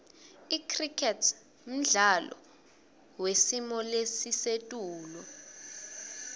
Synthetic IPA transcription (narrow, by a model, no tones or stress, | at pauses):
ikʰrikʰɛtʰ | m̩ɮalɔ̰ | wesimɔlesisetʼuːlɔ